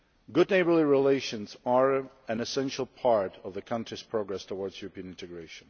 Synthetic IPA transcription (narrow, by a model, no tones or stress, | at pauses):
ɡʊdⁿneɪbə˞liɹileɪʃɨ̃nzəɹ | ɨ̃nɨsɛ̃nʃl̩ˠpʰɑɹɾʌvðɨkʰʌ̃ntɹ̥iz̥pʰɹ̥oɡɹɛstʰəwɔɹdz̥juɹəpĩə̃nɪ̃ntɨɡɹeɪʃə̃n̩